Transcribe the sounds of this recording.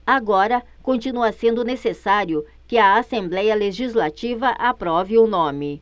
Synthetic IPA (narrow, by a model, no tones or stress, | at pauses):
aɡɔɾɐ | kõnt͡ʃinuɐsẽnd̪ʊnesesaɾjʊ | kɪɐasẽmblɛjɐleʒizlat͡ʃivɐʔapɾɔvɪʊnõmɪ